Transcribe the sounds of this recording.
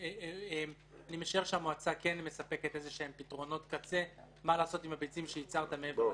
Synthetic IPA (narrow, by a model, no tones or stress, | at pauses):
eem | anime̞ʃae̞ʁʃeamoat͡sake̞nme̞sape̞ke̞tezeʃeempitʁo̞no̞tkat͡se̞ | malaːso̞timhabeit͡simʃejit͡saʁt̪ameve